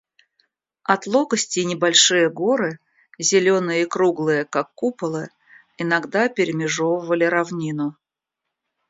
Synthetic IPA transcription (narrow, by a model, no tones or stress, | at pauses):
ɐt̪lˠoɡəsʲtʲɪnʲɪbɐlʲʂɨjəɡo̞ɾɨ | zʲɪlʲonɨjəikɾuɡlˠɨjəkakːupəlˠɨ | ɪnɐɡd̪apʲɪɾʲɪmʲɪʐovəvəlʲɪɾɐvnʲinʊ